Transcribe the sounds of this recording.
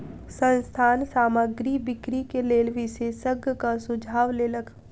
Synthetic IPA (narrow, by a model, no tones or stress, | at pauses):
sə̃nst̪ʰaːnsaːmaɡɾibɪkɾikeleːlʋisesəɡkasʊd͡ʒʱaːʋleːləkʰ